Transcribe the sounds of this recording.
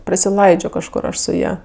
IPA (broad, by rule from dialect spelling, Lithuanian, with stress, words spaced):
prɐsʲɪˈlˠɐɪd͡ʒʲoː kɐʃˈkʊr ˈɐʃ sʊ ˈjɛ